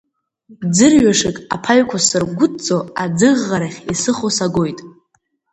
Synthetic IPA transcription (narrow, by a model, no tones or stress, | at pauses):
d͡zɨrɥaʂɨkʼa̰pʰaɥkʷʰasɨrɡʷʊt͡sʼoad͡zɨʁːaɾaχʲisɨχosaɡojtʼ